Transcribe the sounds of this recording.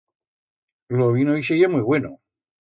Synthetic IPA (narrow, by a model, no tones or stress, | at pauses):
loβinoisejamwujβweno